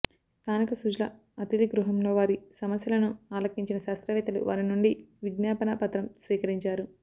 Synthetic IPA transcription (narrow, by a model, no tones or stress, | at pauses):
t̪aːnɐkɐsud͡ʒlɐ | ɐt̪iliɡɾuɦɐmlo̞ːʋaːɾisɐmɐsjɐlɐnuaːlɐkːiɲt͡ʃinɐʃaːst̪ɾɐʋɛːt̪ɐlṵʋa̰ːɾinuɳɖiʋiɡ̪njaːpɐnɐpɐt̪ɾɐmsʋiːkɐɾiɲt͡ʃaːɾu